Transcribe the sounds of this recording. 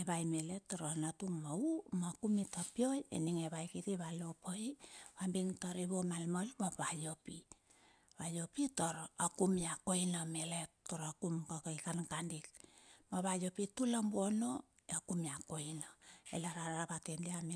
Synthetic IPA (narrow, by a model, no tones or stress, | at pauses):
eβajmele̞tːoɾonatumaumakumitopio̞jḛniŋeβajkitiβalo̞pʰojiβambiŋtoɾiβomalmolmaβajopi | βajopitoɾakumiako̞jnameletːoɾakumkakaikankandikmaβajo̞pitulambono | akumiako̞jnaḛlaɾaɾaβatendiami